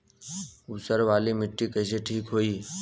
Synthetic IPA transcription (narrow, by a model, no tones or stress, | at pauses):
usəɾʋaːlimɪʈːikəɦɪs̬eʈʰiːkɦoːiː